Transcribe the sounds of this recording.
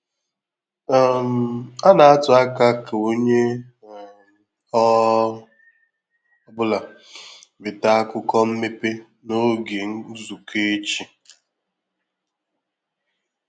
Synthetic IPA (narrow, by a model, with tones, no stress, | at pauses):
m̩˨a˦na˨a˦tʊ˨a˦ka˦ka˨o˦ɲe˦˨ | ɔ˦ | bʊ˦la˨ | bɪ˨ta˦a˦kʊ˦kɔ˦m̩˦me˦pe˦ | no˦ɡe˨ŋ̩˦zu˨kʰe˦t͡ʃi˨